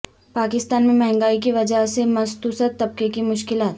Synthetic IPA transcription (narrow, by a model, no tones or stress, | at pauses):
paːkɪst̪aːnmẽmɛɦɛ̃ŋɡaːik̬iʋɐd͡ʒəɦsemɐst̪uːsət̪ːɐb̚kekimʊʃkɪlaːt̪